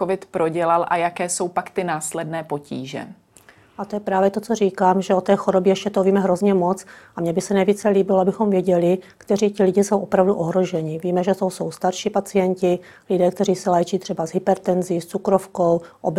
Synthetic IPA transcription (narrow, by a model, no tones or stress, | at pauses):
kovɪt̪pɾoɟɛlalʔajakɛːso̞wpakt̪ɪnaːslɛdnɛːpo̞cḭːʒɛ̰ | ʔat̪ojɛpɾaːvjɛt̪o̞t͡soriːkaːmʒɛo̞t̪ɛːxoɾobjɛjɛʃcɛt̪oviːmɛɦɾo̞zɲɛmo̞t͡sʔamɲɛbɪsɛnɛjviːt͡sɛliːbɪloabɪxomvjɛɟɛlɪkt̪ɛɾiːcɪlɪɟɪso̞wʔo̞pɾavduʔoɦɾo̞ʒɛɲɪviːmɛʒɛsowsowst̪aɾʃipat͡sɪjɛɲcɪ | lɪdɛːkt̪ɛɾiːsɛlɛːt͡ʃiːt̪r̥ɛbazɦɪpɛɾt̪ɛnziːst͡sukɾofkowʔob